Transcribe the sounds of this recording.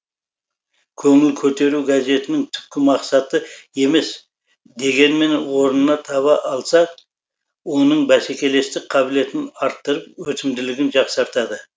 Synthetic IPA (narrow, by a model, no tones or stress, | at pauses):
kʲʰɵŋɪlkʲʰɵt̪e̞ɾuɡaze̞t̪ɪnɪŋt̪ʰʏ̥p̚kʲɪmɑqsɑt̪əe̞me̞s | d̪e̞ɡʲe̞nme̞nwo̞ɾənənɑt̪ʰɑβɑʔɑlˠsɑ | wo̞nəɴbæsekʲe̞le̞st̪ɪk̚qʰɑbɪle̞t̪ɪnɑɾt̪ːəɾəp̚wɵt̪ɪmd̪ɪlɪɡʲɪnʒɑqsɑɾt̪ɑd̪ə